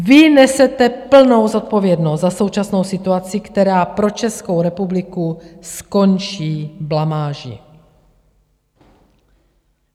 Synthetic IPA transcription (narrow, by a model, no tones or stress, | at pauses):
vɪnɛsɛt̪ɛpl̩no̞wzo̞t̪̚po̞vjɛdnost̪zaso̞wt͡ʃasno̞wsɪt̪uat͡sɪkt̪ɛɾaːpɾo̞t͡ʃɛsko̞wɾɛpublɪkusko̞nt͡ʃiːblamaːʒɪ̰